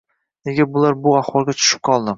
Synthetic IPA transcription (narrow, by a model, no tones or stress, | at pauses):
neɡʲɪbʊlaɾbʊaχwɒlˠɡʲat͡ʃʰʊ̥ʃɪ̥p̚qʰɒlˠd̪ɪm